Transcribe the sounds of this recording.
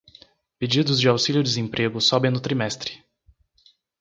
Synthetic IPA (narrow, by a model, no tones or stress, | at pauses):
ped͡ʒid̪ʊzd͡ʒɪawsiljʊd͡ʒɪzẽpɾʔeɡʊsɔbẽj̃nʊt̪ɾimɛst̪ɾɪ̥